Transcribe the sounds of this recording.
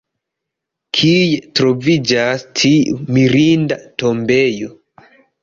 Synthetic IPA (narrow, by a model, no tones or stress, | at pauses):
kʰijetɾo̞vid͡ʒastʰiumiɾindato̞mbe̞jo